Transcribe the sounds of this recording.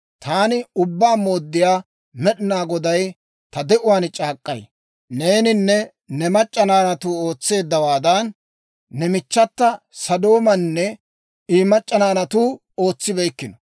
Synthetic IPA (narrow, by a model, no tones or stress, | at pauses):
t̪aːnɪʊbːaːmo̞ːd̪ːɪjaː | mɛɗɪnaːɡɔd̪ɐj | t̪ɐd̪ɛʔʊwaːnt͡ʃʼaːkʼːɐ̰j | ne̞ːnɪnːɛ | nɛmɐt͡ʃʼːɐnaːnɐt̪uːoːt͡sːe̞ːd̪ːɐwaːd̪ɐnː | ɛmɪt͡ʃːɐt̪ːɐ | sɐd̪o̞ːmɐnːɛ | iːmɐt͡ʃʼːɐnaːnɐt̪uː | o̞ːt͡sːɪbɛjkːɪnɔ̥